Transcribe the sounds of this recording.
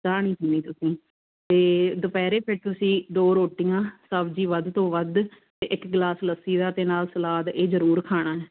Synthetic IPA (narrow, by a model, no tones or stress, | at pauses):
d̪aːɽ̃ĩːt̪ʰiːniːt̪ʊsĩː | t̪eːd̪ʊpɛːɾeːpʰɪɾt̪ʊsĩːd̪oːɾoːʈːɪjãːsəbd͡ʒiːʋəd̪t̪õːʋəd̪ | t̪eːʔɪkɡlaːsləsiːd̪aːt̪eːnaːlsəlaːd̪eːd͡ʒəɾuːɾkʰaːɽ̃aːɛː